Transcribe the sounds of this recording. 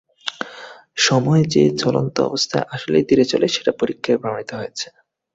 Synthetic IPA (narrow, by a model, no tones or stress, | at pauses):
ʃɔmɔed͡ʑet͡ɕɔlo̰nt̪oɔ̰bost̪ʰaeʔaʃolḛjd̪iɾet͡ɕoleʃeʈapoɾikʰːabʱɾaoɳ̃it̪oɦoet͡ɕʰe̥